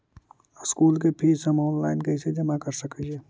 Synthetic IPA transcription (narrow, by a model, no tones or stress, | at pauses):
skuːlk̬epʰiːsɐmɔːnlaːɪnkɐɪsed͡ʒɐmakəɾsəkəeː